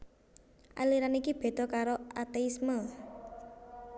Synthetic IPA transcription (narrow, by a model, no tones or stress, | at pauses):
ʔa̰liɾanikib̥e̤t̪ɔ̤kaɾoat̪eismə